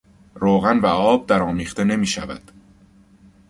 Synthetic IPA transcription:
ɾoːɣænvæɒːb̚d̪æɾɒːmiːχt̪e̞ne̞miːʃævæ̰d̪̥

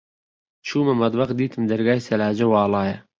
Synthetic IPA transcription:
t͡ʃʰuːmɐmɐd̪wɐqd̪iːt̪ʰimd̪ɐɾɡaːisɐlaːd͡ʑɐwaːlɑːjɐ

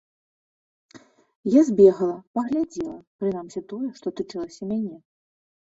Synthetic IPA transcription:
jazʲbʲɛɣɐlˠɐpɐɣlʲad͡zʲiɛlˠɐpɾɨnamsʲit̪ɔjɛʂt̪ɔt̪ɨt͡ʂɨlˠɐsʲɐmʲanʲɛ

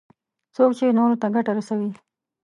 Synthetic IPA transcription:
sokt͡ʃenoɾot̪aɡaʈaɾasawi

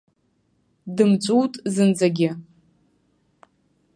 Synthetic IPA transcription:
dɨmt͡ʃʷʼuwtʼzɨnd͡zʼaɡʲɪ

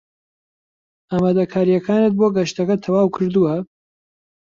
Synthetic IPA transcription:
ʔaːmaːd̪ɐkʰaːɾijɐkʰaːnɨt̪̚boɡɐʃt̪ɐkɐt̪ʰɐwaːwkʰɨɾd̪uwɐ

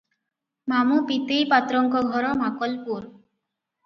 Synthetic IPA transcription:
mamupit̪ejpat̪ɾɔŋkɔɡʱɔɾɔmakɔlpuɾ

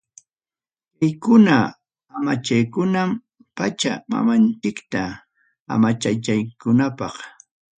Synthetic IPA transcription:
kajkʊna | amat͡ʃajkʊnam | pat͡ʃa̰ma̰mant͡ʃɪkt̪a | a̰mat͡ʃat͡ʃajkʊnapɑχ

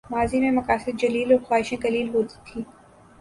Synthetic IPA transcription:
maːzimẽmɐkaːsɪd̪̚d͡ʒɐliːlɔːɾxwaːɦɪʃẽkɐliːlɦot̪i̥t̪ʰːĩː

